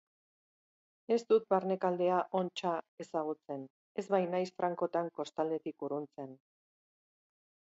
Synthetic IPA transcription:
e̞st̪ut̪̚baɾne̞kald̪e̞aʔo̞nt͡ʃae̞saɣ̞ut͡se̞n | e̞zβajnajsfɾaŋko̞t̪aŋko̞st̪ald̪e̞t̪ikuɾunt͡se̞n

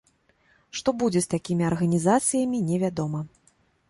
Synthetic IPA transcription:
ʂt̪ɔbud͡zʲɛst̪akʲimʲiɐrɣɐnʲizat̪sɨjɐmʲinʲɛvʲad̪ɔmɐ

